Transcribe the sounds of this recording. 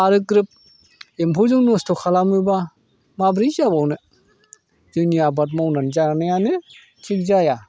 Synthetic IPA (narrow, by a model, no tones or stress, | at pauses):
aɾɯkɾɯp̚ | empʰuzɯŋnostʰokʰalamɯba | mabɾizabawnɯ | zɯniabat̬̚mawnanzanajanɯ | tʰik̚zaja